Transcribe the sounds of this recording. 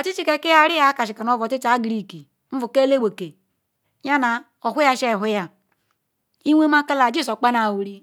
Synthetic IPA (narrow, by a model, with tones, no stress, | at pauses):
o˨ti˦t͡ʃi˦ke˨ki˦ja˦ɾi˦ja˦ka˨ʃi˨ka˨no˨˦vo˨ti˦t͡ʃa˨˦ɡɾi˨ki˨ | m̩˦vu˨ke˦le˦we˨ke˨ | ɲa˦na˨ | o˨ɦu˦ja˦˨ʃe˦˨ɦu˦ja˦ | i˦wʷe˦ma˦ka˦la˨d͡ʒi˦so˨k͡pa˦na˨wu˨ɾi˦